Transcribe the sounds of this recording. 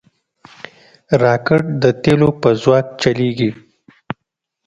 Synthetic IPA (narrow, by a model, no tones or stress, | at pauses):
ɾɑːkɪɽd̪ət̪elopəzwɑːk̚t͡ʃaleɡi